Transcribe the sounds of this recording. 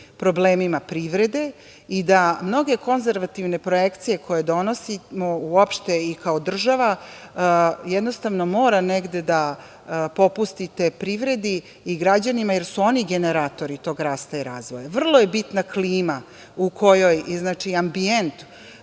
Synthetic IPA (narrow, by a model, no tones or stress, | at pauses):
pɾo̞bleːmimapɾiʋɾe̞d̪e̞ | id̪amno̞ɡe̞ko̞nzeɾʋat̪iʋne̞pɾo̞jekt̪sije̞kʰo̞je̞d̪o̞nosimouopʃt̪e̞ikaod̪r̩ʒaʋa | jed̪no̞st̪aʋno̞mo̞ːɾaneɡd̪e̞d̪a | po̞pust̪it̪e̞pɾiʋɾe̞d̪iː | ɡɾad͡ʑanimajeɾsuo̞niɡe̞neɾaːt̪o̞ɾit̪o̞ːɡɾaːst̪aiɾaːzʋojaʋr̩lˠo̞jebit̪nakliːma | ukʰo̞jo̞jznaːt͡ʃiambient̪